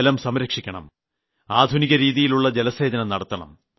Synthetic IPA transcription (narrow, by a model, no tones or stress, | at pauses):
lɐmsɐmɾɐkʂikʲːɐɳɐ̰m | aːd̪ʱuniɣɐɾiːðijiluɭːɐd͡ʑelɐseːd̪ɐnɐnɐɽɐt̪ːɐɳɐ̰m